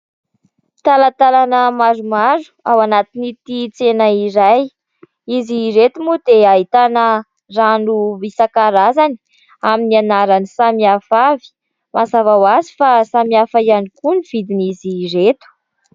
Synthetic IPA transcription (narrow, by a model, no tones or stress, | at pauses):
t̪alat̪alanəmaɾumaɾu̥awanat̪init̪it͡senaiɾaj | iziɾet̪umud̪eaɦit̪anə | ranuisakaɾazani̥ | aminianaɾanisamiafavi̥ | mazavawazi̥fasamiafaianikuniv̥id̪iniziɾet̪u̥